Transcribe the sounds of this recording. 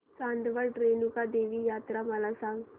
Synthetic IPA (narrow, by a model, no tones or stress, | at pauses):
sãnd̪ʋəɭʈɾeːnukad̪eːʋijaːt̪ɾaməlasãŋɡ